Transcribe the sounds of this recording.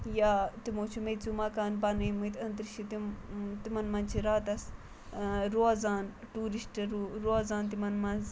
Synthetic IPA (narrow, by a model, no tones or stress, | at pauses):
jat̪imoːt͡ʃʰumet͡sumɐkaːnbaneːmut̪ɐnt̪ɾiʃit̪it̪imɐnmɐnt͡ʃʰiɾaːt̪ɐs | ɾozaːn | ʈuːɾisʈɾuɾoːzaːnt̪imɐnmɐz